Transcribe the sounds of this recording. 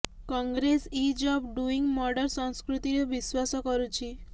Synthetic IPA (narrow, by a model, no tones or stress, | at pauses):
kɔŋɡɾesid͡ʒɔpɖuiŋɡmɔɾɖəɾsɔ̃ŋskɾut̪iɾeʋiswasɔkɔɾut͡ʃʰi